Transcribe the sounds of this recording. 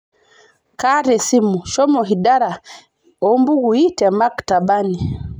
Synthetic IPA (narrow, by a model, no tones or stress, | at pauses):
kaɾɛsimuʃɔmɔɦidaɾa | ɔmbuɡuitɛmaktabani